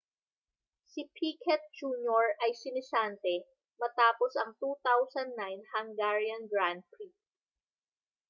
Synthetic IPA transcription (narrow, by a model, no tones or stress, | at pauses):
sipʰiːkʰɛt̪̚d͡ʒuːnjoɹʔɐjsɪnɪsant̪ɛ | mɐt̪aːposʔɐŋt̪uːt̪awsɐnd̪ːajnhɐŋɡaɹjɐnɡɹand̪̚kɹik